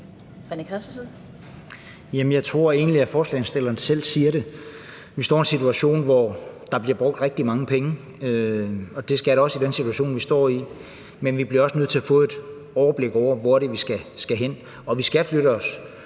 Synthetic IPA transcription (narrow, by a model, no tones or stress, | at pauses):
fankʰass | jemənjɑ̈ɪt͡sʰʁo̝ɐ̰e̝̰ːnliæfɒːslɛ̰ɪnsd̥e̝lɐːnsel̰̥siːɐɾe̝ | ʋisd̥ɒ̰ːie̝nsit͡sʰuæɕo̝̰ːnʋɒd̥ɑ̈b̥liɐb̥ʁɔ̽ɡ̥̚d̥ʁeɡ̥̚d̥imɑ̈ŋəpʰeŋə | øɒ̽d̥e̝sɡ̥æɐɾɒ̽sid̥ensit͡sʰuæɕo̝̰ːnʋisd̥ɒ̰ːi | menʋib̥liɐɒ̽sənøð̰̝ˠʰæfɔ̽ːe̝d̥ | ɒʊɐb̥le̝ɡ̥ɒʊ̰ɐʋɒæɐɾe̝ʋisɡ̥æsɡ̥æɦen̰ | ɒ̽ʋisɡ̥æfløɾəɒ̽s